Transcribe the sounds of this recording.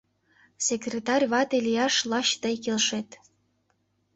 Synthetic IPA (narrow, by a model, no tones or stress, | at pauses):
sʲekrʲet̪ɑrʲβɑt̪elʲijɑʃlˠɑɕt̪ɤ̆jkelʃet̪